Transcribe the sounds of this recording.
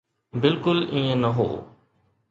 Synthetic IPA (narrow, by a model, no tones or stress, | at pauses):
bɪlkʊlĩːẽːnəɦo̰ː